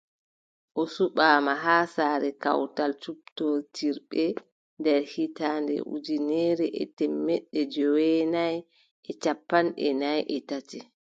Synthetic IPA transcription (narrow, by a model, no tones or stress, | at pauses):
ʔɔsuɓaːmaɦaːsaːɾɛka̰wtalt͡ʃup̚totiɾɓɛ | ndɛɾhitaːndɛ̰ʔṵd͡ʒinɛːɾɛʔɛ̰tɛmːɛɗːɛd͡ʒɔwɛnaj | ʔɛt͡ʃapːanɗɛ̰najʔɛtati